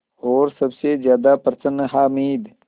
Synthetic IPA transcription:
oːɾsɐbsezjaːd̪aːpɐɾsənɦaːmiːd̪

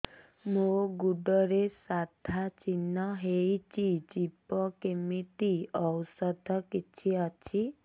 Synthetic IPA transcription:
moɡuɖɔɾesad̪ʱat͡ʃinːɔɦejt͡ʃid͡ʒipɔkemit̪iɔwsɔd̪ʱɔkit͡ʃʰiɔt͡ʃʰi

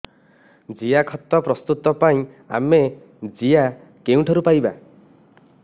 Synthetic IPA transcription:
d͡ʒijakʰɔt̪ːɔpɾɔst̪ut̪ɔpaĩ | a̰me | d͡ʒija | keũʈʰɔɾupajba

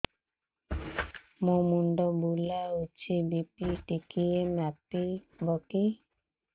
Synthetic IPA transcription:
momundɔbulaot͡ʃibipitikiemapibɔki

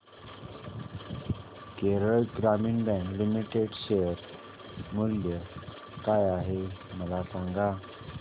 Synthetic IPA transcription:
keɾəɭɡɾamiːnbɛ̃ŋklimiʈeɖɕejəɾ | muljə | kajaɦeməlasãŋɡa

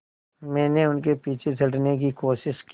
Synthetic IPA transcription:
mɛ̃ːneʊnkepiːt͡ʃʰet͡ʃɐʈnek̬ikoːʃɪʃk

